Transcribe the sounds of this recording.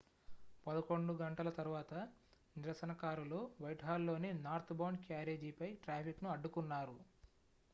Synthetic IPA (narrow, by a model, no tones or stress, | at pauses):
pɐd̪ɐko̞ɳɖuɡɐɳʈɐlɐt̪ɐɾuʋaːt̪ɐ | niɾɐsɐnɐkaːɾuloːʋɐjʈɦaːlːo̞ːninaːɾt̪ʰbɐwɳɖkjaːɾe̞ːd͡ʒiːpɐjʈɾaːpʰiknuɐɖːukunːaːɾu